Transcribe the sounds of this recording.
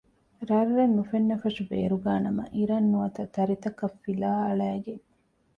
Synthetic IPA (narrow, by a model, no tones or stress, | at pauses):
ɾɐrːenːufenːɐfɐʃubḛːɾuɡaːnɐmɐ̰ʔiɾɐnːuɐt̪ɐt̪ɐɾit̪ɐkɐfːilaːɐɭæːɡen